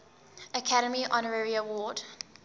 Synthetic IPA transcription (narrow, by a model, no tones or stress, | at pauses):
əkʰaɾəmiʔɔnəɹəɹiəwɔːd̥